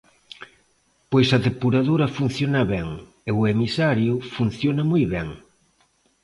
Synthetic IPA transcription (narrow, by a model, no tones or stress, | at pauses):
pojsɐðepuɾaðoɾɐfun̟θjonɐβɛŋ | eʊemisaɾjʊfun̟θjonɐmujβɛŋ